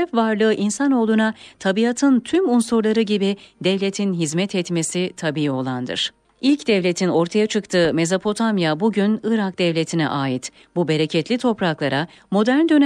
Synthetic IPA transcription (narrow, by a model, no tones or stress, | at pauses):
ɛfvaɾlˠɯːʔinsano̞ːlˠunat̪ʰabiat̪ʰɯnt̪ʰymunsuɾlˠaɾɯɟibid̪ɛvlʲet̪ʰinɦizmɛt̪ʰɛt̪me̞sit̪ʰabiːio̞lˠand̪ɯ̰ɾ̥ | ilʲcd̪ɛvlʲe̞t̪ʰino̞ɾt̪ʰajat͡ʃʰɯkt̪ʰɯːme̞zapʰo̞t̪ʰamjabuɟynɯɾak̚d̪ɛvlʲet̪ʰinɛ̰ʔaːjit̪ | bube̞ɾecʰɛt̪lʲit̪ʰo̞pɾaklˠaɾa | mo̞d̪æɾnd̪ø̞n